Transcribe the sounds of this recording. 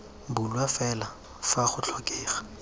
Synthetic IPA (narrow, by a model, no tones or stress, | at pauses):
bʊlwafɛla | faχʊt͡ɬʰɔkʼeːχḁ